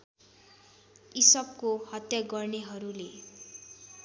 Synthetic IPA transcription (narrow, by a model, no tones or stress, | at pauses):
isʌp̚kohʌt̪jaɡʌrneɦʌɾule